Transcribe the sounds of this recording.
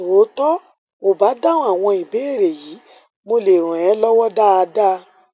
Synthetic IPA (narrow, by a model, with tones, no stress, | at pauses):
o˨˦tɔ˦ | mo˦˨ba˨˦dã˦a˦˨w̃ɔ̃˧i˨be˨˦e˦˨ɾe˨jiː˨˦ | mo˧le˨ɾ̃ũ˨ɛ˨˦lɔ˦wɔ˦da˦a˧da˦